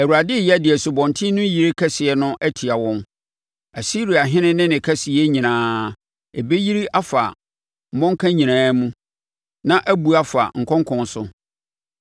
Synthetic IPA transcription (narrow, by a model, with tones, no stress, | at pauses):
æ˨wu˨ɾa˨dɪ˦˨jɛ˦dɪ˨ɛ˨sʊ˨bɔ̃˨ntʰĩ˦nʊ̃˦ji˨ɾi˦kʰɛ˦sɪ˨ɛ˨nʊ̃˦ʔæ˦tʰi˨a˨wɔ̃˦n | æ˨si˦ɾi˨a˨ɦɪ̃˦nɪ̃˦nɪ̃˦nɪ̃˨kʰæ˦sɪ˨ɛ˦ɲĩ˨nãː˦ | e˨be˦ji˦ɾi˦ʔa˦fa̰˨ | m̩˨mɔ̃˦ŋ˦kʰã˦ɲĩ˨nãː˦mũ˦ | nã˦ʔæ˦bu˨a˦fa̰˨ŋ̩˨kʰɔ̃˦ŋkʰɔ̃˨n˦sʊ˦